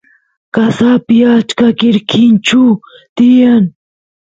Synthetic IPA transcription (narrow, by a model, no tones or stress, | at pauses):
kasapijat͡ʃkakiɾkʰint͡ʃu | t̪ijan